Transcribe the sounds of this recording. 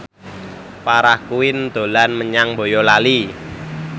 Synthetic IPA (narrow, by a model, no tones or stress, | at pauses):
paɾahkuɪnd̪̥o̤lanməɲaŋbo̤jɔlali